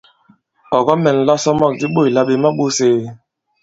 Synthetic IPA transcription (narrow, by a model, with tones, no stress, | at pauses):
ɔ˨ɣɔ˦mɛ˨n̩˨la˦sɔ˦mɔ˦k̚di˦ɓo˦˨i˨la˦ɓe˨ma˦ɓo˦seː˦